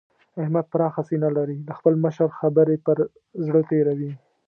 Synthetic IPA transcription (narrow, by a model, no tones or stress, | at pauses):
ahmad̪̚pəɾɑxasinalaɾiləxpəlməʃəɾxabəɾepəɾ | zɽət̪eɾawi